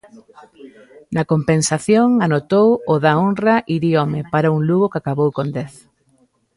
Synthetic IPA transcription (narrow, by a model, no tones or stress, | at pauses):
nɐkompensaθjoŋanot̪owʊðaonraʔiɾjomepaɾauŋluɣokakaβowkond̪ɛθ